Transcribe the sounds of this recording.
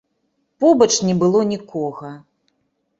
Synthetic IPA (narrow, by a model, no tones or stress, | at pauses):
pɔbɐt͡ʂnʲɛbɨlˠɔnʲikɔɣɐ